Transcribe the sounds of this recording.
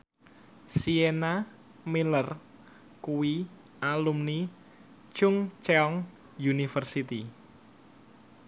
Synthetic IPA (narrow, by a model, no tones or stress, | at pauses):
siena | milər | kuwi | alumni | t͡ʃʊŋt͡ʃeɔŋ | junifərsit̪i